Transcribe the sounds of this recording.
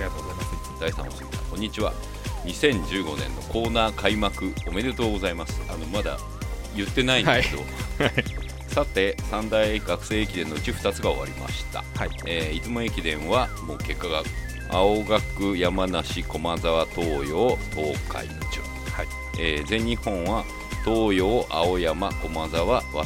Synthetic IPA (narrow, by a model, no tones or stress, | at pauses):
t̪oaad̪̥aisa̰noɕimasã̰kõ̞ɲ̟ːit͡ɕiβa̰ | ɲ̟isẽ̞ɲ̟d͡ʑɨːɡo̞nẽ̞̰nːo̞ko̞ːnaːkʰaimakɯ̟o̞me̞d̪e̞t̪o̞ːɡo̞zaimasɨ̥ano̞mad̪a̰ | jɯ̟t̪ːe̞naineed̪o | sat̪e̞sãnd̪aiɡakɯ̟̥se̞ːekʲid̪ẽ̞nːo̞ɯ̟t͡ɕiɸɯ̥t̪at͡sɨɡao̞̰βa̰ɾʲima̰ɕi̥t̪a̰ | eːit͡sɨmoekʲid̪ẽ̞ɰ̃βamo̞ːke̞kːaɡakɯ | aoɡakɯ̟jamanaɕiko̞mazaβat̪o̞ːjo̞ːb̪o̞ːkʰa̰it͡ɕo̰ | eːzẽ̞ɲ̟ːihõ̞ɰ̃βa | t̪o̞ːjo̞ːʔao̞jamako̞mazaβaβa̰